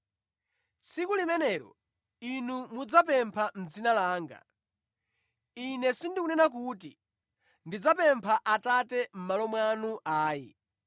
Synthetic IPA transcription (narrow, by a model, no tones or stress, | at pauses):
t͡sʰikulimɛnɛɾɔ̰ | inumud͡zapɛmpʰam̩d͡zinalaːŋɡa̰ | inɛsindikunɛnak̬uti | ndid͡zapɛmpʰaʔatatɛm̩malɔmwanuʔaːjɛ̰